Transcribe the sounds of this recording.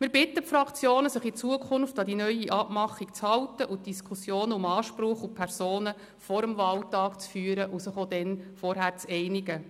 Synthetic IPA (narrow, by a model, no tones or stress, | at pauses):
mɪɾbɪt̪ːəfɾɑkʰt͡sjoːnəsəχit͡suəkʰʊnftɑd̪inœʏiʔɑpmɑχikt͡shɑwtəʔʊt̚d̥iskʰusjoːnəʊmɑːʃpɾʊχʊpʰɛɾsoːnə | fɔɾəmvɑltɑːkt͡sfyːɾəʔusəχod̪ɛnfɔɾɦæːɾt͡sɛɪniɡə